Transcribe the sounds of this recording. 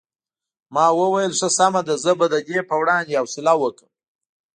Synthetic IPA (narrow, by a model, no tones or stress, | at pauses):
mɑwəwajəlʂəsamad̪azəbad̪əd̪epəwɽɑnd̪ejawsɪlɑwəkəm